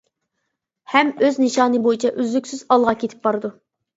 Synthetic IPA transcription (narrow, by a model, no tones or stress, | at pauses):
hɛmøznɨʃɑːnɨbojit͡ʃʰɛʔyzlykʲsyzɑlˠʁɑkʲʰet̪ʰɪ̥p̚bɑɾɨd̪u